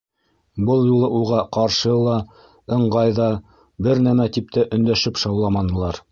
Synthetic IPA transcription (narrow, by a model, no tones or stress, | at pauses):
bɤlˠjulˠɤʔulˠʁɑqɑɾʃɤlˠɑ | ɤ̆ɴɢɑjðɑ | bɘɾnæmæt̪ip̚t̪æʔɵ̆nd̪æʃɘpʃɑwlˠɑmɑnɤ̆lˠɑɾ